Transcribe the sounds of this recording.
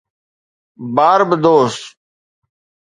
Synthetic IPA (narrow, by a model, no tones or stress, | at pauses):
baːɾbəd̪oːst̪